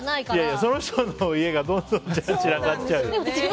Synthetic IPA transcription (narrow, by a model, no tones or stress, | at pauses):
jajaso̞noçt̪onoie̞ɡad̪õ̞nd̪õ̞nt͡ɕt͡ɕiɾaɡatːt͡ɕaɯ̟